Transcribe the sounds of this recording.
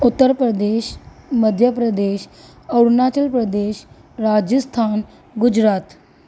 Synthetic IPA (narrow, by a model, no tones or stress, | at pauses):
ut̪ːəɾpɾəd̪eɕməd̪ʱjəpɾəd̪eɕ | əwɾnat͡ɕəlpɾəd̪eɕ | ɾad͡ʑəst̪ʰan | ɡud͡ʑɾat̪